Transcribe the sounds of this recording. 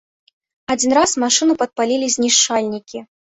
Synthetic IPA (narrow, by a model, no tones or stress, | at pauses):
ad͡zʲinɾasmaʂɨnupɐt̪̚palʲilʲizʲnʲiʂt͡ʂalʲnʲikʲi